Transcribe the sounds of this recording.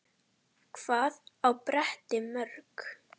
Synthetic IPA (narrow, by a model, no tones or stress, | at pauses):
kʰv̥aːðawpɾɛht̪ɪmœɾk